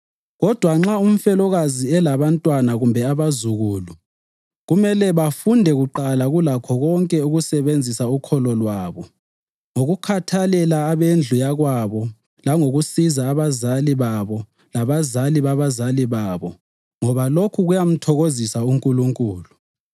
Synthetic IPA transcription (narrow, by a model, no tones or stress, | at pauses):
ɣɔd̥ʱwaŋ͡ǁaum̩fɛlɔɣaziɛlaβantʼwanaɣumbʱɛaβazuɣuːlu | ɣumɛlɛβafundʱɛɣuǃalaɣulakʰɔɣɔŋkʼɛuɣusɛβend͡zʱisaukʰɔlɔlwaːβɔ | ŋoɣukʰatʰalɛlaːβend͡ɮʱujaɣwaβɔ | laŋoɣusizaːβazaliβaβɔ | laβazaliβaβazaliβaːβɔ | ŋɔβalokʰuɣujam̩tʰɔɣozisauŋkʼuluŋkʼuːlu